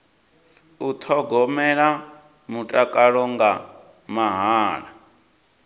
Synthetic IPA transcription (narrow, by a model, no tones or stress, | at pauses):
ut̪ʰɔɡɔmɛɺa | mutʼakʼaɺɔŋɡa | maɦaːɺa